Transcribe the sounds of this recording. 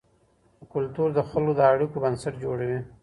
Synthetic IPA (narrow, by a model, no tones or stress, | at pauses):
əkʊlt̪uɾd̪əxəlod̪əaɽikobənsaʈd͡ʒoɽawi